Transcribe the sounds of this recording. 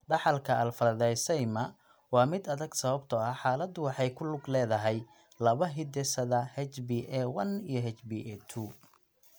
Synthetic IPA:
ɖɑħɑlkʰɐɐlfɐɾɐðɛjsɛjmɐ | wɑːmɪd̪ɐðɐɡsɐβɐbt̪ʰɔɐħɑːlɐd̪ʊwɑħɑjkʰʊlʊɡlɛːðɐɦɛj | lɐβɐɦɪd̪ɛsɐðɐhɛt͡ʃbiʔɛwɐnijɞɦɛt͡ʃbiʔɛt̪ʰuː

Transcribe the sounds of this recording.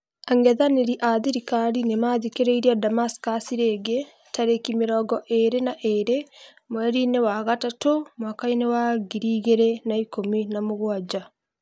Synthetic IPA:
aŋɡɛðaneɾiʔaðiɾikaɾinemaːðikeɾeiɾiadamaskasiɾeːɡe | taɾekimeɾɔːɡɔʔeɾenaʔeɾe | mwɛɾinewaɣatatomwaːkainewaɣiɾiɣeɾenaikominamoɣwad͡ʒa

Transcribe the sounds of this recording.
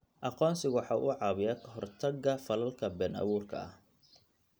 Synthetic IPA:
ʔɑqɔːnsɪɣwħɑːʔʊʕɑːβɪjaːkʰɐɦɔrt̪ʰɐɡɐfɐlɐlkʰɐbɛːnʔɑ̰βuːrkʰɐ̰ɐh

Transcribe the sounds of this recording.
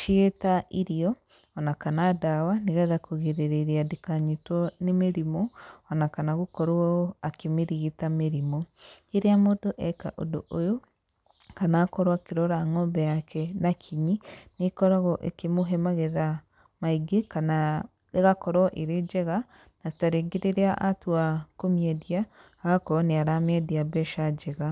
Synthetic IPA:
ʃietaʔiɾiɔ | ɔnakanadawaniɣɛðakoɣeɾeɾeɾiadikaɲitwɔnemeɾimɔɔnakanaɣukɔɾoɔakemeɾiɣitameɾimɔeɾeamodoʔɛka̰ʔo̰doʔojo | kanaːkɔɾwakeɾɔɾaŋɔmbɛjakʰɛnakʰiɲinekɔɾaɣɔʔḛkemoɦɛmaɣeða | maiɡekana | ɾeɣakɔɾɔʔeɾed͡ʒɛɣa | nataɾeɡeɾeɾeaʔatuakomiɛdiaː | ɣakɔɾɔneaɾamɛdiabɛʃad͡ʒɛɣa

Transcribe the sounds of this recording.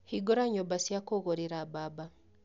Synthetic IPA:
hiɡoɾaɲobasjakoɣoɾiɾababa

